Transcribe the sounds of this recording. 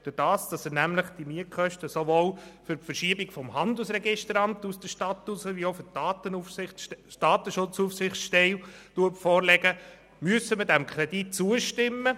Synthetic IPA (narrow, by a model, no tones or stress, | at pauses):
d̥ʊd̥ɑːsd̥ɑsənæmləχd̥imiəkχœʃtəsoʋoːlfʏɾfəɾʃiəbiɡfɔmhɑnd̪əl̩sɾɛɡɪʃtəɾɑmt̪usd̥̪əʃtɑt̪ːusəʋiofʏɾtɑːt̪ənufɪdɑːtəʃʊt͡sufsɪχʃtɛltuətfɔːɾlɛɡə | myəsəmədæmkʰɾɛdit̚t͡suəʃtɪmːə